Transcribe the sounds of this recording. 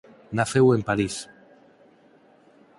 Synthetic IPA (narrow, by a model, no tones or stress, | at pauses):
naθewempaɾis